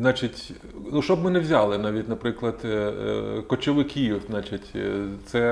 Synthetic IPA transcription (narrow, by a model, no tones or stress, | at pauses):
nɑt͡ʃʲɪtʲ | nuʃt͡ʃɔbmɪnɛwzʲɑlˠɪnɑʋʲitʲnɐpɾɪklˠɐd̪ | kɔt͡ʃʲɔʋɪkʲiznɑt͡ʃɪtʲt̪sɛ